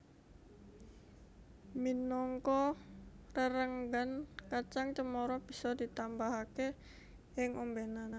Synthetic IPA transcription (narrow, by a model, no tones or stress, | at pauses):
minɔŋkɔ | rəɾəŋɡənkat͡ʃaŋt͡ʃəmɔɾɔb̥isɔdit̪ambaɦake | ɪŋʔombenana